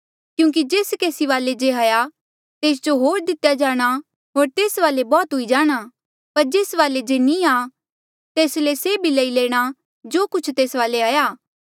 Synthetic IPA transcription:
kjũːk̬id͡ʒeːskeːsiʋaːled͡ʒeɦaːja | t̪eːs̬d͡ʒoɦoːɾd̪ɪt̪jad͡ʒaːɽ̃a | ɦoːɾt̪eːsʋaːlebɔːt̪ɦʊid͡ʒaːɽ̃a | pɐɾd͡ʒeːsʋaːled͡ʒeːnĩaː | t̪eːsleseːbʱiləileːɽ̃a | d͡ʒoːkʊt͡ʃʰt̪eːsʋaːleaːjaː

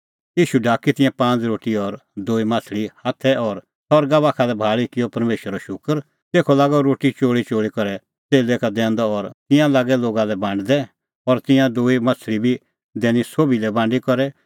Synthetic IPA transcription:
iːʃuɖʱaːkit̪ɪ̃jãpãːt͡sɾoːʈiɔɾd̪oːimaːt͡sʰlihaːt̪ʰɛɔɾ | sɔɾɡabaːkʰalɛbʱaːɭikɪjɔpɐɾmeːʃəɾɔʃʊkəɾ | t̪eːkʰɔlaːɡɔɾoːʈit͡ʃoːɽit͡ʃoːɭikɔɾɛ | t͡seːlekad̪ɛ̃ːnd̪ɔɔɾt̪ɪ̃jãlaːɡɛloːɡalɛbãːɳɖd̪ɛ | ɔɾt̪ɪjãd̪oːimat͡sʰlibʱi | d̪ɛ̃ːnisoːbilɛbãːɳɖikɔɾɛ

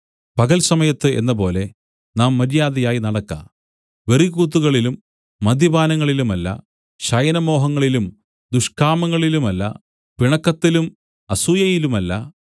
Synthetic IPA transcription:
pɐɣɐlsɐmɐjɐt̪ːɨe̞̰nːɐpo̞ːle̞ | naːmːɐɾijaːðɐjaːjinɐɽɐkːa̰ | ʋeriɣuːt̪̬ːuɣɐɭilumː | ɐd̪ibaːnɐŋːɐɭilumɐlːɐ̰ | ɕɐjɐnɐmo̞ːɦɐŋːɐɭilum | d̪uʂkaːmɐŋːɐɭilumɐlːɐ̰ | piɳɐkːɐt̪ːilum | ɐsuːjɐjilumɐlːɐ̰

